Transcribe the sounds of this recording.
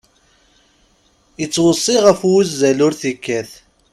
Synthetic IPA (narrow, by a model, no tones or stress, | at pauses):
ət͡sːwəsˤːiʁəfwzːælʊɾθikːæθ